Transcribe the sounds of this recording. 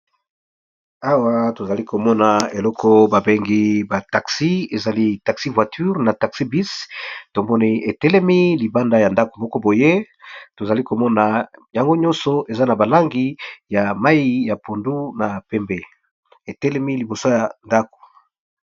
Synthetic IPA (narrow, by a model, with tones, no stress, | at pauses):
a˦wa˦to˨za˨li˦ko˨mɔ˦na˨e˨lɔ˦kʰɔ˦ba˨be˦ŋɡi˦ba˨ta˨ksi˦e˨za˨li˦ta˨ksi˦vwa˨tʰy˦ʁna˨ta˨ksi˦bi˦sto˨mɔ˦ni˦e˨tɛ˦lɛ˦mi˦li˨ba˦nda˦ja˨nda˦ko̥˨mɔ˦kɔ˦bo˨je˦ | to˨za˨li˦ko˨mɔ˦na˨ja˨ŋɡo˦ɲɔ̃˦nsɔ˨ʔe˨za˦na˨ba˨la˦ŋɡi˦ja˨ma˦i˦ja˨pʰo˨ndu˦na˨pɛ˦mbe˦ | e˨tɛ˦lɛ˦mi˦li˨bo˨so˦ja˨nda˦ko̥˨